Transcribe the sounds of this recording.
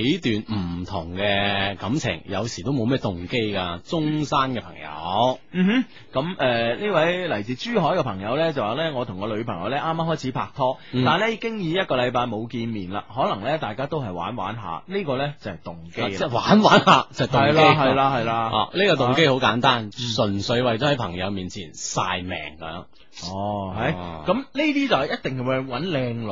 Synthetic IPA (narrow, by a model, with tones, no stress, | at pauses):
jt̪yː˨nm̩˨˩t̪ʰʊ˨˩ŋkɛ˧kɐ˨˥mt͡sʰɪ̰˨˩ŋjɐ̰˨˧wsiː˨˩t̪o˥wmo˨˧wmɛː˥t̪ʊ˨ŋke˥jka˧t͡sʊ˥ŋsaː˥nkɛ˧pʰɐ̰˨˩ŋjɐ̰˨˧˥wm̩ː˨˩˥ | kɐ˨˥mʔɛː˨˧niː˥wɐ˨˥jlɐ˨˩jt͡siː˨˧t͡ʃyː˥ɦɔː˨˥jkɛ˧pʰɐ˨˩ŋjɐ˨˧wlɛː˥t͡sɐ˨waː˨˩lɛː˥ŋɔː˨˧t̪ʰʊ˨˩ŋkɔː˧lɵ˨˧ɥpʰɐ˨˩ŋjɐ˨˧wlɛː˥ʔaː˥mːaː˥hɔː˥jt͡sʰiː˨˥pʰaː˧k̚t̪ʰɔː˥ | t̪aː˨nlɛː˥i˧kɪ˥ŋjiː˨˧jɐ˥t̚kɔː˧lɐ˨˧jpaː˧jmo˨˧wkiː˧nmiː˨˩nla̰ː˧ɦɔː˨˥lɐ˨˩ŋlɛː˥t̪aː˨jkaː˥t̪o˥wɦɐ˨˩jwa̰ː˨˥nwa̰ː˨˥nɦa̰ː˨˧niː˥kɔː˧lɛː˥t͡sɐ˨˩hɐ˨˩jt̪ʊ˨˩ŋke˥˨˥waː˨˥nwaː˨˥nhaː˨˧t͡sɐ˨t̪ʊɐ˨jlkaː˥˧ɦɐ˨jlaː˧ɦɐ˨jlaː˧ʔa̰˨niː˥kɔ˧t̪ʊ˨ŋke˥jho˨˥wkaː˨˥nt̪aː˥nsɵ˨˩nsɵ˨˧ɥwɐ˨jtɔ˨˥hɐ˨˥jpʰɐ˨˩ŋjɐ˨˧wmiː˨nt͡sʰḭː˨˩nsa̰ː˧jmɛ̰ː˨˩ŋkɐ˨˦mjœ˨˧˥ | ɔː˨˧ɦɐ˨˥jkɐ˨˥mne˥t̪iː˥t͡sɐ˨whjɐ˥t̚t̪ɪ˨ŋhjwwɐ˨˥nlɛː˧ŋl